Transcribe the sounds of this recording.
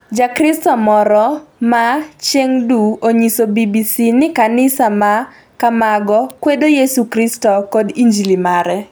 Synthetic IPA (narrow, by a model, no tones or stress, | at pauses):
d͡ʒakɾɪstɔmɔɾɔmat͡ʃeŋduoɲisobibisinɪkanɪsama | kamaɡɔkwedojesukɾistɔkɔdiɲd͡ʒilimaɾɛ